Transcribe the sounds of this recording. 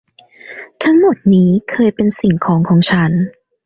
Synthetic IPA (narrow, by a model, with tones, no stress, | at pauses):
t̪ʰa˦˥ŋmo˨˩t̪̚niː˦˥kʰɤː˧jpe˧nsi˨˩ŋkʰɔː˩˦ŋkʰɔː˩˦ŋt͡ɕʰa˦˥n